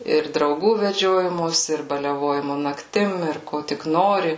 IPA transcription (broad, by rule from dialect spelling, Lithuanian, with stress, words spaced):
ɪr drɐʊˈɡuː ʋʲɛˈd͡ʒʲoːjɪmoːsʲɪ ɪr bɐlʲɛˈʋoːjɪmʊ nɐkˈtʲɪm ɪr ˈkoː tʲɪk ˈnoːrʲɪ